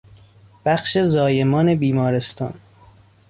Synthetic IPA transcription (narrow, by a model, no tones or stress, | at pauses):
b̥æxʃe̞zɒːjemɒːne̞biːmɒːɾe̞st̪ɒ̰ːn